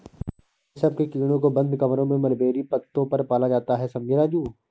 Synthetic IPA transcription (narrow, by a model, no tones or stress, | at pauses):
sɐb̚kekiːɽ̃õkobɐ̃nd̪ʱkɐmɾõmẽmɐɾbeːɾipɐt̪ːõpɐɾpaːlad͡ʒaːt̪aɦɛsɐ̃mbʱeɾaːd͡ʒuː